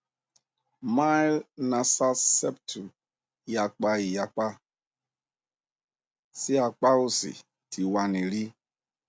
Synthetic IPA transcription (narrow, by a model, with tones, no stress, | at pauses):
ma˦jlna˨sa˦sɛ˦p̚tʰu˨ | ja˨k͡pa˦i˨ja˨k͡pa˦ | si˦a˨k͡pa˦u˦sḭ˨ | tʰi˨wa˨ni˨li˦